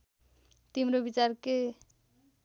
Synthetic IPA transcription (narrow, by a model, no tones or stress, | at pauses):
t̪imɾobit͡ʃaɾke